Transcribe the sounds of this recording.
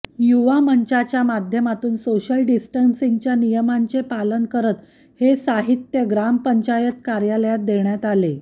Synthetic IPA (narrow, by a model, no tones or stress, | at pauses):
juʋaməɲt͡ɕat͡ɕjamad̪ʱjəmat̪uːnsoɕəlɖisʈənsĩŋɡt͡ɕjanijəmant͡sepalənkəɾət̪ | hesaɦit̪jəɡɾampəɲt͡ɕajət̪kaɾjaləjat̪̚d̪eɳjat̪ale